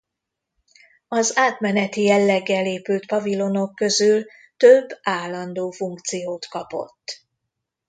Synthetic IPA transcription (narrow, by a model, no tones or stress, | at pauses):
ɒzaːt̪mɛnɛt̪ijɛlːɛɡːɛleːpyːlt̪pɒvilo̞no̞kːø̞zyl | t̪øbːaːlːɒnd̪oːfuŋkt̪sijoːt̪kɒpo̞̰t̪ː